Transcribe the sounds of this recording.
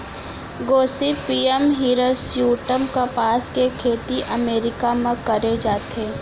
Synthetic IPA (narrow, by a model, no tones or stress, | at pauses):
ɡoːsipiːɛmɦiːɾəsjuːʈəmkapaːskekʰeːt̪iʔəmeːɾɪkamẽkɐɾed͡ʒaːt̪eː